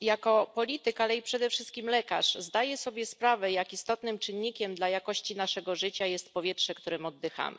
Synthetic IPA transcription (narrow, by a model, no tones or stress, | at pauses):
jakɔpɔlʲit̪ɘkalɛipʂɛd̪ɛfʂɘst̪kʲimlɛka̰ʂzd̪ajɛsɔbʲjɛspɾavɛjakist̪ɔt̪nɘmt͡ʂɘnːikʲɛmd̪lajakɔɕt͡ɕinaʂɛɡɔʐɘt͡ɕajɛst̪pɔvʲjɛtʂɛkt̪uɾɘmɔd̪ːɘxa̰mɘ̰